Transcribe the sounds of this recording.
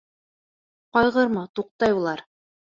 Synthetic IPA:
qɑjʁɤɾmɤt̪uq̚t̪ɑjulˠɑɾ

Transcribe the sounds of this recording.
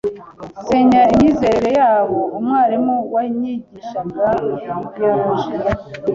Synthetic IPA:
seɲaimɲiːze̞ɾeɾe̞jaːβo̞umŋaːɾimuwaɲiɟiʃaɡabaβaa

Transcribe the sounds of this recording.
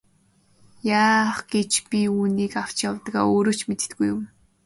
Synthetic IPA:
jaːχɡ̥et͡ɕpʲiuːniːkaw̥t͡ɕjawt̪ɡa̰ːoːɾoːt͡ɕmet̪̆t̪ɡujːʊm

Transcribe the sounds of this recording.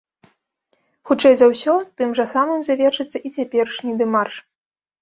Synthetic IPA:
xut͡ʂɛjzɐwsʲɔt̪ɨmʐɐsamɨmzavʲɛʂɨt̪sʲːɐʔit͡sʲapʲɛrʂnʲid̪ɨmarʂ

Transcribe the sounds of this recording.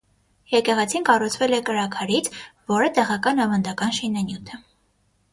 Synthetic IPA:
jɛkɛʁɛt͡sʰinkɑrut͡sʰvɛlɛkəɾɑkʰɑɾit͡sʰvɔɾət̪ɛʁɑkɑnɑvɑnd̪ɑkɑnʃinɑnjut̪ʰə

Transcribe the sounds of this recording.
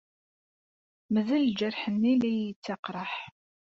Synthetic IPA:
məðəld͡ʒəɾħənːilæjət͡sːɑqɾˤəħ

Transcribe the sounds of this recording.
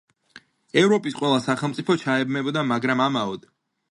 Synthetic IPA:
ɛvɾɔpʼisqʼwɛlˠasaχɛlˠmt̪sʼipʰɔt͡ʃʰaɛbmɛbɔd̪amaɡɾamamaɔd̪

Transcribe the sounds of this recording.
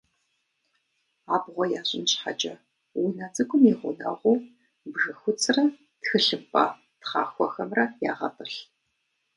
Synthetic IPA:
aːbʁʷɔjaːɕɪnt͡ʃħat͡ʃʼɐ | wʊnɐt͡sʼɨɡʷʼʊmiːʁʷʊ̰nɐ̰ʁʷuː | bʒɨxʷʊt͡sʰʼrɐ | txɨɬɨpʼɐ̰ | tχɑ̰ːxʷɔxɐmrɐjaːʁɐpʼɨɬ

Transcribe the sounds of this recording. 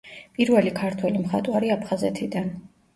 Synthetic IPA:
pʼiɾvɛlikʰaɾt̪ʰwɛlimχa̰t̪ʼwaɾiapʰχazɛt̪ʰid̪an

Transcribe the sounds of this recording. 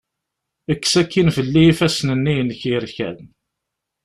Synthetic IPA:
əkːsækːinfəlːiifæsnənːijnçiɾçæ̰ð

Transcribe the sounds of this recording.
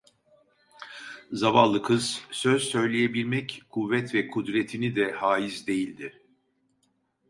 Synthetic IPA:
zavalˠːɯkʰɯz̥søz̥sø̞jlʲejebiɾʲmɛckʰuvːɛt̪vɛkʰud̪ɾet̪ʰinid̪ɛhaːjizd̪e̞jilʲd̪ɪ

